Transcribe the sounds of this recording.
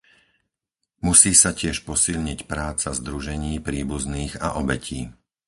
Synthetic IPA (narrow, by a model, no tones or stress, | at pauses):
musiːsacɪɛʃpɔsiʎɲicpɾaːt͡sazd̪ɾuʒɛɲiːpɾiːbuzniːɣa̰ʔɔbɛcʰiː